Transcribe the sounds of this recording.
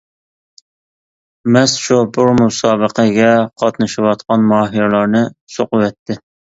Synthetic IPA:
mɛsʃubʊɾmusɑːbəqʰəɡʲɛqʰɑt̪nɨʃɪwɑt̪qɑnmɑːɦiɾlˠɑɾnɨsoqʊwɛt̪ʰːɪ

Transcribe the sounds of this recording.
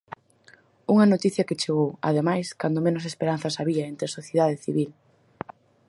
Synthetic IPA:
uŋɐnot̪iθjɐkɪt͡ʃeɣowɐ̰ðemajskand̪omẽnos̬espeɾanθɐsaβiɐent̪ɾesoθjeðaðeθiβil

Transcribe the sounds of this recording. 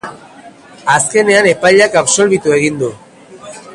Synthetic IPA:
aske̞ne̞ane̞pajʎakapso̞lβit̪ue̞ɣ̞ind̪u

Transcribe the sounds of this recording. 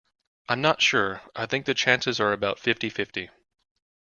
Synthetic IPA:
ʔãɪ̃mnətʃʊɹʔaɪθɪ̃ŋk̚ðɨt͡ʃʰæ̃nsɨzə˞ɨbaʊtfɪftifɪfti

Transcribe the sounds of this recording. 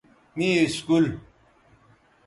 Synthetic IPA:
niiskul

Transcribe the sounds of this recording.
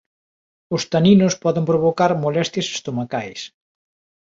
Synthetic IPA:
ʊst̪aninʊspɔðempɾoβokaɾmolɛst̪jɐse̥st̪omakajs

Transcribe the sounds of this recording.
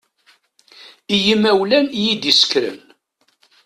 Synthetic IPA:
ijəmæwlænjid̪isə̥kɾə̰n

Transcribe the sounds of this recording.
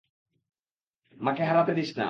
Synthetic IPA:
makeɦalat̪ed̪iʃna̰

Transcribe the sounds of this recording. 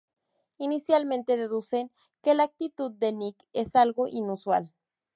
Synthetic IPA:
inisjalmẽnt̪eðeðusen | kelaːk̚t̪it̪ud̪̚ːenikesalɣoʔinuswa̰l

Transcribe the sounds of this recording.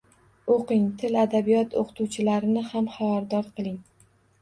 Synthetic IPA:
oqɪŋt̪ʰɪlad̪abijɒt̪ʰoqʰt̪ʰuwt͡ʃʰɪlaɾɪnɪhamχavaɾd̪ɒɾqʰɨlˠɪŋ

